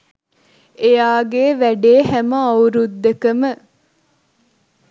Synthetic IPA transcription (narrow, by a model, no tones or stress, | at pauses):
ejaːɡeːʋæɖeːɦæməɐɾud̪ːekəmə